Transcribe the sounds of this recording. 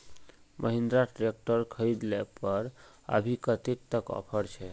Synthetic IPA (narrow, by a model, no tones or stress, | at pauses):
mʔəɦĩnd̪ɾaʈɾek̚ʈəɾkʰəjd̪lepəɾ | ə̰bʱikət̪ik̚t̪əkɔ̰pʰəɾt͡ʃʰɛ